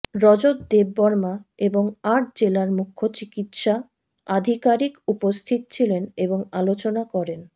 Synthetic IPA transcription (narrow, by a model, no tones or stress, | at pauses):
ɾɔd͡ʑod̪̚d̪ebːɔɾmaeboŋaʈ̚d͡ʑelaɾmukʰːot͡ɕikit̪ʃa | ad̪ʱikaɾikupost̪ʰit̪̚t͡ɕʰileneboŋalot͡ɕonakɔɾen